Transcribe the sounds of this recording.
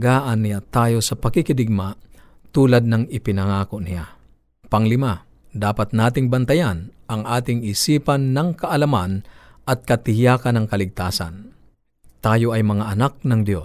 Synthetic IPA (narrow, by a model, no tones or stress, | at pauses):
ɡaːʔɐnːɪjat̪aːjo̞sɐpɐkɪkɪd̪ɪɡ̚ma | t̪uːlɐd̪̚nɐŋɪpɪnɐŋaːkonɪja̰ | pɐŋlɪma | d̪aːpat̪̚naːt̪ɪŋbɐnt̪ɐjanʔɐŋʔaːt̪ɪŋɪsiːpanːɐŋkɐʔɐlɐmanʔɐt̪̚kɐt̪ɪhjaːkɐnɐŋkɐlɪɡ̚t̪aːsa̰n | t̪aːjo̞ʔɐjmɐŋaʔːnak̚nɐŋd̪jo̞